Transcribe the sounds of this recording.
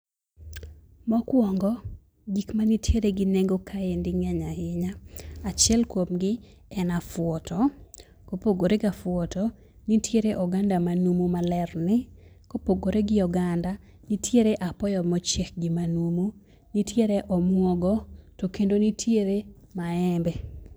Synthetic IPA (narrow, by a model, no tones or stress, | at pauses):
mɔkwɔŋɡɔ | ɡikmanitʰjeɾeɡɪneŋɡokʰaendɪŋɛɲahɪɲaat͡ʃjɛlkwomɡɪ | ɛnafwɔtʰɔ | kopoɡoɾeɡafwɔtɔ | nitʰjeɾeʔɔɡandamanumumalɛrnɪ | kopoɡoɾeɡɪɔɡanda | nitʰjeɾeʔapɔjɔmɔt͡ʃek̚ɡɪmanumu | nitjeɾeʔɔmwɔɡɔtokendonitʰjeɾe | maɛmbɛ